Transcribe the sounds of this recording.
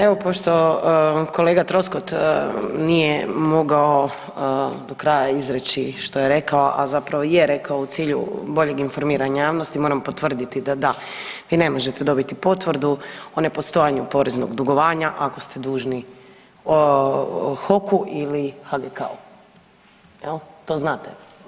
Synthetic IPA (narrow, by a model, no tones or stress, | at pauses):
e̞ʋo̞po̞ʃt̪o̞ | kʰo̞leːɡat̪ɾo̞skot̪ | nijemo̞ɡao | d̪o̞kɾajaizɾet͡ɕiʃt̪o̞jeɾe̞kaoʔazapɾaʋojeɾe̞kaout̪siːʎṵbo̞ʎe̞ɡinfo̞ɾmiːɾaɲajaːʋno̞st̪imo̞ːɾampo̞t̪ʋr̩d̪it̪id̪ad̪a | ʋiːne̞mo̞ʒet̪ed̪o̞bit̪ipo̞t̪ʋr̩d̪uone̞post̪o̞jaɲupo̞ɾeznoɡd̪uɡo̞ʋaːɲaʔako̞st̪e̞d̪uːʒni | o | xo̞kuʔilixaɡeka̰u | jelt̪oznaːt̪e